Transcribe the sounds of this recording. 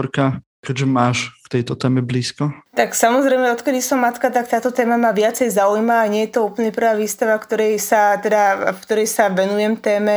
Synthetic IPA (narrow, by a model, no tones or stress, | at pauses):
ɾka | kɛʒɛmaːʃft̪ɛjt̪ɔt̪ɛːmɛbliːskɔt̪aksamɔzɾɛjmɛɔt̪kɛd̪isɔmːat̪kat̪akt̪aːt̪ɔt̪ɛːmamaʋɪat͡sɛjzaujmaːɲɪɛjɛt̪ɔuːpl̩ɲɛpr̩ʋaːʋiːst̪aʋafkt̪ɔɾɛjsat̪ɛd̪afkt̪ɔɾɛjsaʋɛnujɛmt̪ɛːmɛ